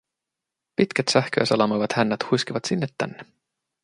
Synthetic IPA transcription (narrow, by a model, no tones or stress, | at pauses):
pit̪kæt̪sæhk̟ø̰ːsɑlɑmojʋɑt̪hænːæt̪hujsk̟iʋɑt̪sinːet̪ːæ̰nːe